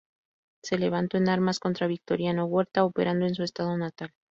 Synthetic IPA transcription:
se̞le̞β̞ant̪o̞enaɾmasko̞nt̪ɾaβik̚t̪o̞ɾjano̞ɣwe̞ɾt̪aope̞̰ɾand̪o̞e̞ns̬ue̞st̪að̞o̞nat̪al

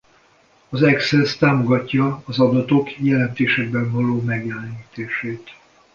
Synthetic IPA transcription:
ɒzɛksɛst̪aːmo̞ɡɒcːɒːzɒd̪ɒt̪o̞kjɛlɛnt̪eːʃɛɡ̚bɛɱvɒloːmɛɡjɛlɛɲiːt̪eːʃeːt̪

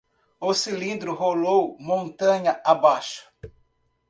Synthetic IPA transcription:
ʊsilĩnd̪ɾʊɦolowmõnt̪ɐ̃ɲɐʔabaʃʊ̥

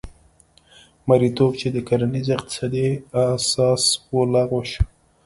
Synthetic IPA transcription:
maɾit̪ob̚t͡ʃed̪əkaɾanizɪqt̪ɪ̥sɑd̪iasɑswəlaɣoʃ

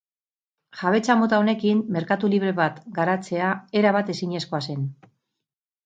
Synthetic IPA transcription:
ʝaβ̞e̞t͡samo̞t̪ao̞ne̞kimːe̞ɾkat̪uliβ̞ɾe̞βat̪ɡaɾat͡se̞ae̞ɾaβ̞at̪e̞siɲe̞skoase̞n

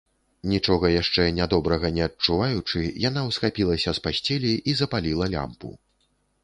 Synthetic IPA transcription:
nʲit͡ʂɔɣɐjaʂt͡ʂɛnʲad̪ɔbɾɐɣɐnʲɛɐt͡ʂuvajut͡ʂɨjanawsxapʲilˠɐsʲɐspasʲt͡sʲɛlʲiʔizɐpalʲilˠɐlʲa̰mpṵ

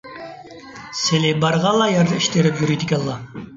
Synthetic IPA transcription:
selɪbɑɾʁɑlˠɑjɑɾd̪ɑiʃt̪ʰeɾɪpjyɾijd̪ɪkʲɛlˠːɑ

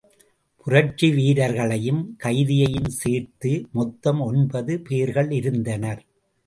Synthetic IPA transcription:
pʊrɐt͡ʃːiʋiːɾɐɾɣɐɭɐjɯmkɐɪðɪjɐjɯmseːɾt̪ɯmɔt̪ːɐmɔnbɐðɯpeːɾɣɐɭɪɾɯnd̪ɐnɐɾ

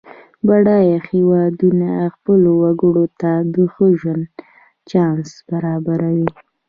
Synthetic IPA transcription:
baɽɑjaxewɑd̪unaxpəlowaɡəɽot̪ad̪əxəʒwand̪ | t͡ʃɑnsb̥aɾɑbaɾawi

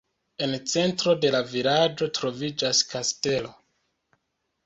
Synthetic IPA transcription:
e̞nt͡se̞ntɾo̞de̞lavilad͡ʒo̞tɾo̞vid͡ʒaskaste̞lo̞

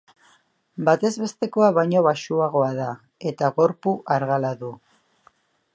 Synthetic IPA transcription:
bat̪e̞zβe̞st̪e̞ko̞aβajɲo̞βaʃuaɣ̞o̞aða | e̞t̪aɣo̞ɾpuʔaɾɣalaðu

